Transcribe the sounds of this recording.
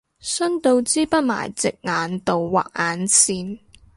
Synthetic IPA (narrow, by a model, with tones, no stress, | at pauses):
sœ˥nt̪o˧wt͡siː˥pɐ˥t̚ma̰ː˨˩jt͡sɪ˨k̚ŋaː˨˥nt̪o˨˧wwa̰ː˨˩k̚ʔaː˨˧nsiː˧n